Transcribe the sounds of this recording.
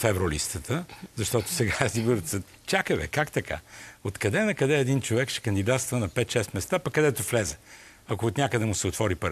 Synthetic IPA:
fɛvɾolḭst̪ət̪ʰəzɐʃt̪ɔt̪ʊ̥sɛɡaɛzibəɾt̪sə | t͡ʃakəvɛ̰kakt̪ɐkʰa̰ot̪kɐd̪ɛnɐkɐd̪ɛɛd̪int͡ʃovɛkʃɛ̥kɐnd̪id̪at̪st̪vənɐpɛt̪ʃɛst̪mɛst̪apɐkːɐd̪ɛt̪oflɛzə | ɐkoːt̪nʲakəd̪ɛmʊsɛot̪vɔɾipəɾ

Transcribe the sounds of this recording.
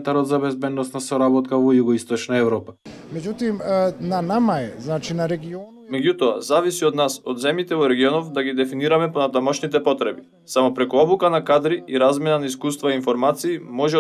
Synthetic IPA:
nt̪aɾɔd̪zabɛzbɛd̪nɔst̪nasɔɾabɔt̪̚kavɔjuɡɔist̪ɔt͡ʃnaɛvɾɔpamɛɟut̪imnanamaɛznat͡ʃinaɾɛɡiɔ | mɛɟut̪ɔazavisiod̪nasod̪zɛmjit̪ɛvɔɾɛɡiɔnɔfd̪aɡid̪ɛfiniɾamɛponat̪amɔʃnit̪ɛpɔt̪ɾɛbi | samɔpɾɛkuɔbukanakad̪ɾiiɾazmɛnanaiskust̪vaiinfɔɾmat̪siːmɔʒɛ

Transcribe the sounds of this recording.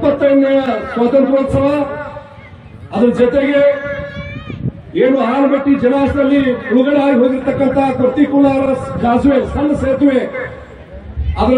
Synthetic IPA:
pɐt̪ːɐnːjɐswaːt̪ɐnt̪ɾoːt̪sɐba | ɐd̪ɐɾd͡ʒɐt̪eɡe | eːnuɦaːnbɐʈːid͡ʒɐnaːsɐlːiuluɡɐɽeɦaːjiɦoːd̪iɾt̪ɐkːɐnt̪ʰapɾɐt̪ikulaːɾɐd͡ʒaːzʋesɐnːseːt̪uʋe | ɐd̪ɐɾ

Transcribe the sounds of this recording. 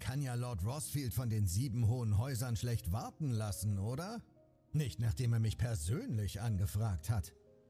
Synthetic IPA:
kʰanjaːlɔɐtʁɔsfiːltfɔndeːnziːbm̩ɦoːənɦɔʏzɐnʃlɛçtv̥aɐtn̩lasn̩ʔoːɾɐ | nɪçtnaːχd̥eːmeːɐmɪçpʰɛɐzøːnlɪçʔanɡəfʁ̥aːk̚that

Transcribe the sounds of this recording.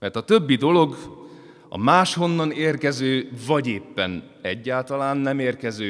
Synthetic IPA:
mɛrt̪ɒt̪ø̞bːid̪o̞lo̞ɡ | ɒ̰maːʃho̞nːɒneːrkɛzøːvɒɟeːpːɛn | ɛɟːaːlt̪ɒlaːnːɛmeːrkɛzøː

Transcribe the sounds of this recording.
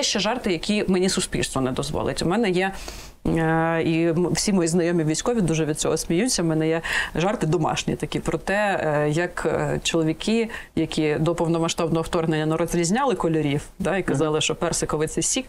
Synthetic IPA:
jɛʃt͡ʃɛʒɑrt̪ɪjɐkʲimenʲisʊsʲpʲḭlʲst̪ʋɔnɛd̪ɔzʋɔ̰lˠɪ̰tʲʊmɛnɛjɛ | imwsʲimɔjiznɐjɔmʲiʋʲijsʲkɔʋʲid̪uʒɛʋʲid̪̚t͡sʲɔ̰ɦɔsʲmʲijusʲɐmɛnɛjɛʒɑrt̪ɪd̪ɔmɑ̰ʃnʲḭt̪ɐkʲipɾɔt̪ɛjɐkt͡ʃɔlˠɔʋʲikɪjɐkʲid̪ɔpɔwnɔmɐʃt̪ɑbnɔɦɔwt̪ɔrɦnenʲːɐnɛɾɔzʲɾʲizʲnʲɑlˠɪkɔlʲɔɾʲiwd̪ɑikɐzɑlˠɪʃt͡ʃɔpɛrsɪkɔʋɪt̪sɛsʲik

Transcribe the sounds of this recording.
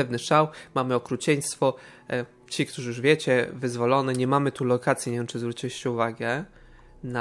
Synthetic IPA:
ɛvnɘʂawmamɘɔkɾut͡ɕɛɲ̃st̪fɔ | t͡ɕikt̪uʐɘjuʐvʲjɛt͡ɕɛvɘzvɔlɔnɛɲɛmamɘt̪ulɔkʰat̪sʲjiɲɛɛnt͡ʂɘzvɾut͡ɕiɕɛuvaɡɛ | na

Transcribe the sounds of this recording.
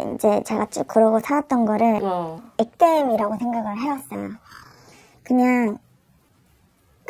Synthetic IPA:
ḭd͡ʑe̞t͡ɕe̞ɡat͡ɕ͈uk͈ɯɾʌɡosʰaat̚t͈ʌnɡʌɾɯɭjek̚t͈emiɾaɡosʰe̞ŋɡaɡɯɭɦeas͈ʌjo̰ | kɯɲaŋ

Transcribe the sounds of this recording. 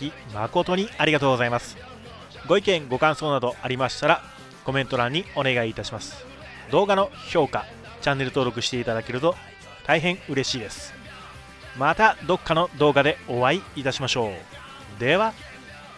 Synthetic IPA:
imako̞t̪o̞ɲ̟iaɾʲiɡat̪o̞ːɡzaimasɨ̥ | ɡo̞ikẽŋɡo̞kãɰ̃so̞ːnad̪o̞ʔaɾʲimaɕi̥t̪aɾa | ko̞mẽ̞nt̪o̞ɾãɲ̟ːio̞ne̞ɡaiːt̪aɕimasɨ̥ | d̪o̞ːɡano̞ço̞ːka | t͡ɕãnːe̞ɾɯ̟t̪o̞ːɾo̞kɯ̟ɕi̥t̪e̞it̪ad̪ake̞ɾɯ̟t̪o̞ | t̪aiɦẽ̞ɰ̃ɯ̟ɾe̞ɕiːd̪e̞sɨ̥ | mat̪ad̪o̞kːano̞d̪o̞ːɡad̪e̞oβaiːt̪aɕimaɕo̞ː | d̪e̞βa

